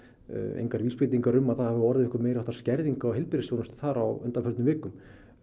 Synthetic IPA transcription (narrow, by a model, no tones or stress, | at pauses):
ḛjŋkaɾvilspɪt̪iŋkaɾʏmːaðθahavɪɔɾðɪɪhkʏɾmeːjɾaɛht̪aɾ̥scɛɾðiŋkaɔwɦɪlpɪɾɪsjownʏst̪θaɾa̰wʏnt̪afœɾt̪nʏmvɪːkʏm